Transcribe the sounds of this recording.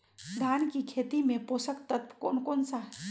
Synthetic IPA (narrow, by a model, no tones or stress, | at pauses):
d̪ʱaːnkikʰeːt̪imẽpoːsəkt̪ɐt̪ko̰ːnkoːnsa